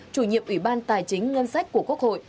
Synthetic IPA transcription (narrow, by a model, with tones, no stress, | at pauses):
t͡ɕu˧˩ɲḭ˧˨əmʔwi˧˩ɓaː˧nt̪aː˨˩jt͡ɕï˨˦ŋ̟ŋə˧nsa˦˥jk̟̚ku˧˩əku˦˥ək̚ho̰˧˨j